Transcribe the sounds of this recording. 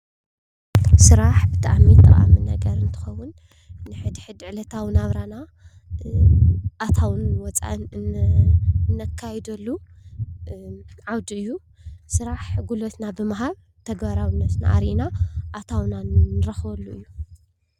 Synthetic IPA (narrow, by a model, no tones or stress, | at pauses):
sɨɾaħbɨt̪ʰa̰ʕmit̪ʼɐ̰χʼa̰mɨnɐɡɐɾɨnt̪ʰɨ̥xɐwːʊnː | ɨħɨd̪iħɨd̪ɨʕlɐt̪ʰawnaβɾana | ʔat̪ʰawɨnwɔt͡sʼa̰ʔ | nɐkʰːajɛd̪ɐlːu | ʕawd̪iɨjːu | sɨɾaħɡulot̪nabɨmaɦaβ | t̪ʰɐɡβaɾawɨnːɐt̪na̰ʔa̰ɾʔinaʔat̪ʰawnanɨɾɐxβɐlːuʔɨjːu